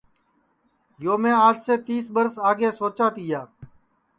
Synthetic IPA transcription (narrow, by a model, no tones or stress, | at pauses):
joːmẽːaːd͡ʒseːt̪iːsbəɾsaːɡeːsoːt͡ʃaːt̪iːjaː